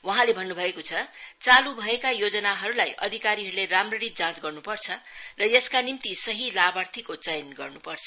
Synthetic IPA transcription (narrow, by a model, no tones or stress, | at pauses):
wʌɦãlebʱʌnːubʱʌekot͡sʰʌt͡salubʱʌekajod͡zʌnaɦʌɾulajʔʌd̪ʱikaɾiɦʌɾuleramrʌɾit̪̚d͡zãt͡sɡʌrnupʌrt͡sʰʌrʌjeskanimt̪isʌɦilabart̪ʰikot͡sʌjnɡʌ̰rnupʌrt͡sʰʌ